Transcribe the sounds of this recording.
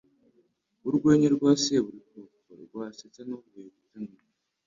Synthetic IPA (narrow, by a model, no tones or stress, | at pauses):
βuɾɡweːɲeɾɡwaːseβuɾikoko̰ɾɡwaːsetanoɡeβutano